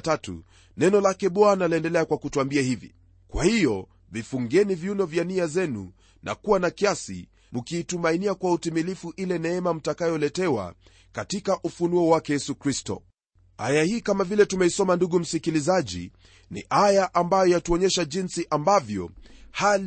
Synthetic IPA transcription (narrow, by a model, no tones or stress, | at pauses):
tatṵ | nɛnɔlakɛɓɔanalɛndɛlɛakwakutuambiahivḭ | kwa̰hijɔ | vifuŋɡɛnivjunɔvjaniazɛnṵ | nʔa̰kuwanakiasḭ | mukiːtumainiakwautimilifuʔilɛnɛɛmam̩takajɔlɛtɛwa̰ | katikaʔufunuɔwakɛjɛsukɾistɔ̰ | ajahiːkamavilɛtumɛisɔmanduɠum̩sikilizaʄḭ | nḭʔajaʔambajɔjatuɔɲɛʃaʄinsiʔambavjɔ̰hal